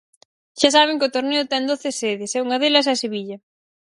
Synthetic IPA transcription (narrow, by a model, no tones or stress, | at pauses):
ʃas̬aβ̞ɪŋkot̪oɾneʊt̪ɛnd̪oθɪseðɪsɛuŋɐðelɐs̬aseβiʎɐ